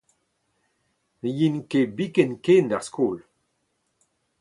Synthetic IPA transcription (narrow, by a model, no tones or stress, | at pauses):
jinkebikɛnkeːndaʁskoːl